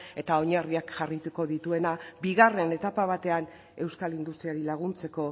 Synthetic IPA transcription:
e̞t̪ao̞ɲariakʝarit̪uko̞ðit̪ue̞nabiɣare̞ne̞t̪apaβ̞at̪e̞an | e̞wskalind̪ust̪ɾiaɾilaɣ̞unt͡se̞ko̞

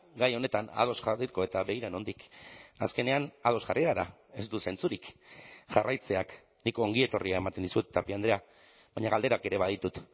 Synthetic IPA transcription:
ɡajo̞ne̞t̪ana̰ð̞o̞sʝariɾko̞e̞t̪aβe̞iɾano̞nd̪ikaske̞ne̞anað̞o̞sʝarʔiðaɾa̰ | e̞zd̪use̞nt͡suɾikʝarʔajt͡se̞ak | niko̞ːŋɡie̞t̪o̞riaemat̪e̞nd̪isut̪t̪ːapiand̪ɾea | βaɲaɣald̪e̞ɾake̞ɾe̞βað̞it̪ut̪

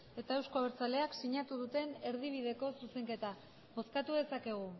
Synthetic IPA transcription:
e̞t̪aewsko̞aβeɾt͡sale̞aksiɲat̪uð̞ut̪e̞ne̞ɾð̞iβ̞iðe̞ko̞suse̞ŋke̞t̪a | βo̞skat̪uðe̞sake̞ɣ̞u

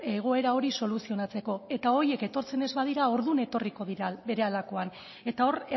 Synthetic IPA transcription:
e̞ɣ̞oe̞ɾao̞ɾiso̞lusio̞nat͡se̞ko̞e̞t̪ao̞je̞ke̞t̪o̞ɾt͡se̞ne̞zβað̞iɾao̞ɾðune̞t̪o̞riko̞ðiɾabe̞ɾe̞alako̞an | e̞t̪ao̞re

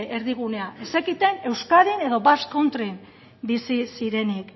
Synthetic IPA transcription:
eɾðiɣ̞une̞aʔesekit̪e̞ne̞wskaðine̞ðo̞basko̞nt̪ɾin | bisisiɾe̞nik

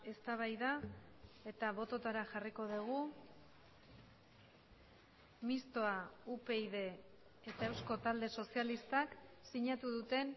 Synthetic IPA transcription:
e̞st̪aβ̞ajða | e̞t̪aβ̞o̞t̪o̞t̪aɾaʝariko̞ðuɣ̞u | mist̪o̞aupe̞iðe̞ː | t̪ae̞wsko̞t̪ald̪e̞so̞sialist̪aksiɲat̪uðut̪e̞n

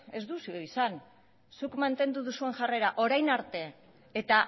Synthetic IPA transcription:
e̞zd̪usioisan | sukmant̪e̞nd̪uðusue̞ŋʝare̞ɾaʔo̞ɾajnaɾt̪e̞ː | t̪a

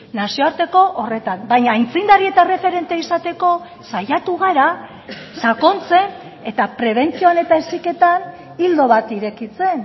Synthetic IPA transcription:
nasio̞aɾt̪e̞ko̞ʔore̞t̪anbajɲaːjnt͡sijnd̪aɾie̞t̪are̞fe̞ɾe̞nt̪eisat̪e̞ko̞ | sajat̪uɣ̞aɾa | sako̞nt͡se̞n | e̞t̪apɾe̞β̞e̞nt͡sioane̞t̪aesike̞t̪an | ild̪o̞βat̪iɾe̞kit͡se̞n

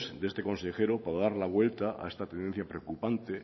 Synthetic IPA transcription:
sd̪ee̞st̪ekõ̞nsexe̞ɾopaɾaðaɾlaβwe̞lt̪aʔa̰est̪at̪end̪e̞n̟θjapɾeokupant̪e

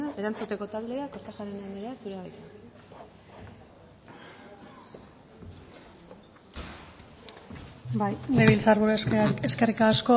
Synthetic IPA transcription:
eɾant͡sut̪e̞ko̞t̪ald̪e̞akoɾt̪aʝaɾinaniɾeat̪uɾeait̪a | baleβilt͡saɾβuɾeskerikaːsko̞

